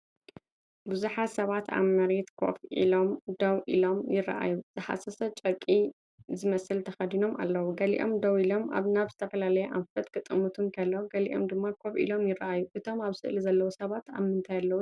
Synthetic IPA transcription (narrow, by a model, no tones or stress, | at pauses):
buzuħasɐβat̪a̰βmmɐɾet̪kʰo̞̰fʔḭlomd̪ɐwʔḭlo̞mjɪrːɐ̰ʔa̰juz̥ɨħa̰sɐsɐt͡ʃʼɐkʼi | zɨmɐsɨlt̪ʰɐxɐd̪ino̞ma̰lːɐwuɡɐlḭʔo̞̰md̪ɐwilo̞ma̰βnaβzɨt̪ʰɐfɐlalɐjɛʔa̰mfɐt̪kɨt̪ʼːɨmut̪ʰumkʰɐlːoɡɐlḭʔo̞̰md̪ɨmːakʰo̞fʔḭlo̞mjɪrɐʔajuʔɨt̪ʰo̞maβsɨ̰ʔlizɐlːɐwusɐβat̪a̰βmɨnt̪ʰajalːɐwu